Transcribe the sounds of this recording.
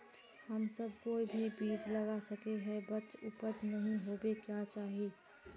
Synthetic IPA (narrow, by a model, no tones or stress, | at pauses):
həmsəb̚ʱkoːibʱibiːd͡ʒləɡasəkeɦɛbətːt͡ʃupəd͡ʒnəɦĩɦobekjat͡ʃaːɦi